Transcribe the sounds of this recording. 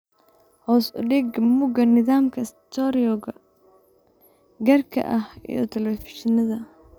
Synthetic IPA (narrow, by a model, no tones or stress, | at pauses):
hɔːsʊ̰ɖɪɡmʊɡɐnɪðaːmkʰɐst̪ʰɔɾiɔɡɐ | ɡɐrkʰɐ̰ʔɐhḭjɔt̪ʰɛlɛfɪʃɪnɐðɐ